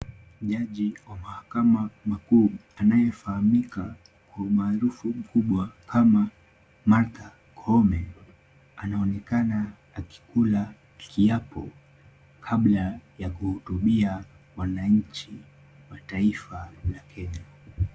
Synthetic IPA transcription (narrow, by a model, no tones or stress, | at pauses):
ʄaʄiwamahakamamakuː | anajɛfahamika | kwaumaːɾufum̩kuɓwakʰama | maɾt̪a | kʰɔɔmɛ | anaɔnɛkanaː | ki̥kula | kʰiapʰɔ̰ | kʰaɓlajakuhutuɓia | wanaɲ̩t͡ʃi | wataifalakʰɛɲɔ